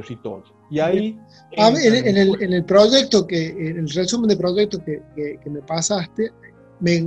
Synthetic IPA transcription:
sit̪o̰ | ia | amenenelenelpɾoʒek̚t̪okenelresumend̪epɾoʒek̚t̪okekekemepasast̪e | me

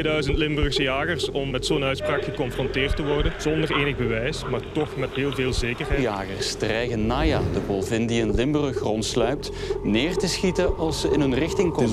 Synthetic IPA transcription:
dœɥzəntlɪmbrəxsəjaːɣərsɔmːɛtsoːnœɥtspraːkxəkɔnfrɔnteːrtəʋɔrdənz̥ɔndəreːnəɣbəʋɛjsmaːɹtɔxmɛtɦeːlˠveːlˠzeːkərjaːɣərstrɛjɣənːaːjaːdəbɔlˠvɪndiənlɪmbrəxrɔntslœɥp̚t | neːrtəsxitəʔɑlˠsəɪnɦɵnrɪxtɪŋk

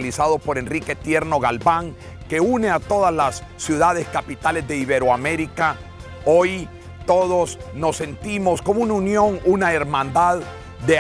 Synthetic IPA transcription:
lisaðopo̞ɾe̞nrike̞t̪je̞ɾno̞ɣalβaŋ | ke̞une̞at̪o̞ðazlasːjuðaðeskapit̪ale̞zðe̞iβe̞ɾoame̞ɾika | o̞j | t̪o̞ðo̞sno̞sːe̞nt̪imo̞sko̞mounaunjo̞ŋunae̞ɾmãnd̪að | d̪e

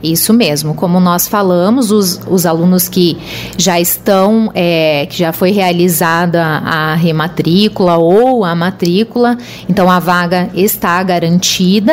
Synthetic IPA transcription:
isʊmezmʊkõmʊnɔsfalɐ̃mʊzʊzʊzalũnʊskɪ | ʒaɪst̪ɐ̃w̃ɛkɪʒafojɦealizad̪ɐa̰ɦemat̪ɾikulɐowɐmat̪ɾikulɐ | ẽnt̪ɐ̃w̃ɐvaɡɐest̪aɡaɾɐ̃nt͡ʃid̪ɐ

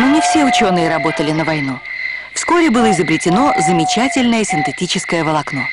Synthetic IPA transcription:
nonʲɪfsʲeʊt͡ɕo̞nɨjəɾɐbo̞t̪əlʲɪnəvɐjnu | fsko̞ɾʲɪbɨlˠəɪzəbɾʲɪtʲɪno̞zəmʲɪt͡ɕætʲɪlʲnəjəsʲɪnt̪ɨtʲit͡ɕɪskəjəvəlˠɐkno̞

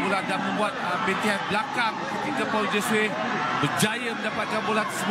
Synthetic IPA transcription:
uladamə̃mbuat̪̚mɛ̃nt̪iɦan̚blakaŋ | ət̪ik̪apad͡ʒɛsue | bəd͡ʒajamə̃ndapat̪̚kanbulat̪əsəb

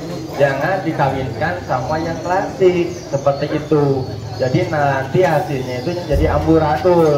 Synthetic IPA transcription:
d͡ʒaŋandikawinkansamajaŋklasɪksəpərt̪iʔit̪u | d͡ʒadinalant̪iɦasɪlɲait̪ud͡ʒadiambuɾadʊ

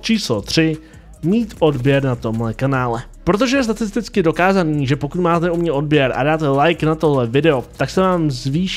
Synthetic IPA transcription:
t͡ʃiːslot̪r̝̥ɪ | miːt̪ʔo̞dbjɛɾnat̪o̞mlɛkanaːlɛ | pɾo̞t̪̬o̞ʒɛjɛst̪at̪ɪst̪ɪt͡skɪdo̞kaːzaniːʒɛpo̞kut̪maːt̪nɛumɲɛʔo̞d̚bjɛɾa̰daːt̪ɛlajknat̪o̞ɦlɛvɪdɛot̪aksɛvaːmzviːʃ

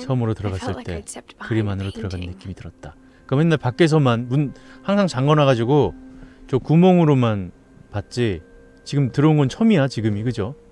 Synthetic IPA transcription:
sʰʌmɯɾotɯɾʌɡas͈ɯɭt͈e̞̰kɯɾimanɯɾotɯɾʌɡanɯnːɯk͈imitɯɾʌt̚t͈a | kɯʌmjenːaɭpak͈e̞sʰʌmanmunhaŋsʰaŋt͡ɕaŋɡʌnaɣad͡ʑiɡot͡ɕokumoŋɯɾoman | pat̚t͡ɕ͈i | t͡ɕiɡɯmtɯɾʌunɡʌnt͡ɕʰʌmiat͡ɕiɡɯmikɯd͡ʑo

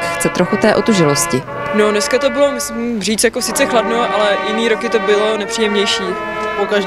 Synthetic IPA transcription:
xt͡sɛt̪ɾoxut̪ɛːʔot̪uʒɪloscɪ | nonɛskat̪o̞bɪlomɪsɪmriːt͡sjakosɪt͡sɛxladnoʔalɛjɪniːɾokɪt̪o̞bɪlo̞nɛpr̥iːjɛmɲɛjʃiː | poka

